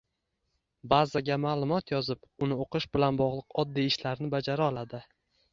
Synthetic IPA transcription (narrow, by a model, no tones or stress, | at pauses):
bazaɡʲamaːlˠʊmɒt̪jɒzɪpʊnɪoqɨʃbɪlanbɒʁlˠɨqʰɒd̪ːijɪʃlaɾnɪbad͡ʒaɾaɒlˠad̪ɪ